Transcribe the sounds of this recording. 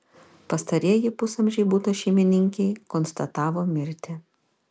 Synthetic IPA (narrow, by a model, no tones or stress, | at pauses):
pɐst̪ɐɾʲiɛjɪpʊsɐmʲʒʲɛɪbuːt̪ɐʃʲɛɪmʲɪnʲɪŋʲkʲɛɪkɔnst̪ɐt̪ɑːʋoːmʲɪɾʲt̪ʲɪ